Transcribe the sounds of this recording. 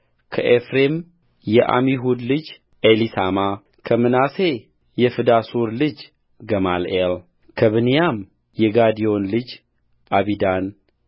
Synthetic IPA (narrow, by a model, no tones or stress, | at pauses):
kʰəʔefɾem | jɛʔa̰miɦud̪lɨd͡ʒ | ʔelisama | kʰəmɨnase̞ | jɛfɨd̪asuɾlɨd͡ʒ | ɡəma̰lel | kʰəβɨnijam | jɛɡad̪ijo̞nlɨd͡ʒ | ʔaβid̪an